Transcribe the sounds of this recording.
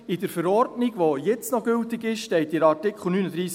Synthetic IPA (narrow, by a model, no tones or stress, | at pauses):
ɪdəɾfəɾɔrdnɪɡʋojɛt͡snɔɡʏltɪɡɪʃʃtɛɪtɪɾɑɾtɪkχl̩ˠnyːnədɾiːs